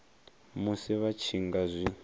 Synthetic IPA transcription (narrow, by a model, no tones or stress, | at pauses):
musiβat͡ʃʰiŋɡazʷi